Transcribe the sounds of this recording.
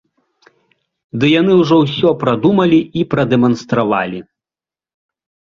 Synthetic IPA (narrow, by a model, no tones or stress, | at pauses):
d̪ɨjanɨwʐɔwsʲɔpɾad̪umɐlʲiipɾɐd̪ɛmɐnst̪ɾava̰lʲi